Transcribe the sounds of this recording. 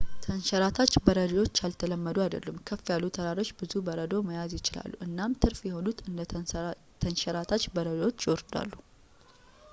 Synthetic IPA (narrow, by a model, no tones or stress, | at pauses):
t̪ʰənʃɛɾat̪ʰat͡ʃːbəɾəd̪iwo̞t͡ʃːalt̪ʰələmːəd̪uad̪ə̰lːumkʰəfjalːut̪ʰəɾaɾo̞t͡ʃːbɨzubəɾəd̪o̞məjazjɪt͡ʃɪla̰lːuʔɨnːamt̪ʰɨɾfjɛho̞nut̪ɨnd̪ə | t̪ʰənʃɛɾat̪ʰat͡ʃːbəɾəd̪wo̞t͡ʃːjɪwɔɾd̪a̰lːu